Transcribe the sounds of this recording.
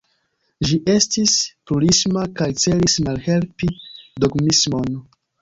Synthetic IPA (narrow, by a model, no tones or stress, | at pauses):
ʒiʔe̞stispuɾismakajt͡se̞lismalhe̞lpidoɡmismo̞n